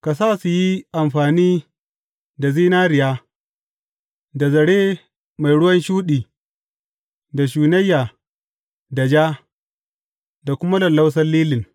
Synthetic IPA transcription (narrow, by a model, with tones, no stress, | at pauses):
ka˨s̬aː˦su˨ji˦ʔa˨mɸaː˨niː˦ | da˨ziː˦naː˦ɾɪ˨jaː˦ | da˨zɐ˨ɽeː˦ | ma˨jɽʊ˦wɐ˦nʃuː˦ɗiː˨ | da˨ʃ̬uː˨nɐ˦jːaː˨ | da˨d͡ʒaː˦ | da˨kʷʊ˦ma˦lɐ˨lːa˦ws̬ɐ˦lliː˦lɪ˨ŋ